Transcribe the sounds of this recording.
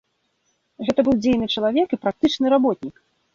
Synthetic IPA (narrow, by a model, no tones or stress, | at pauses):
ɣɛt̪ɐbɨwd͡zʲejnɨt͡ʂɐlˠavʲɛkipɾak̚t̪ɨt͡ʂnɨɾabɔt̪̚ʲnʲik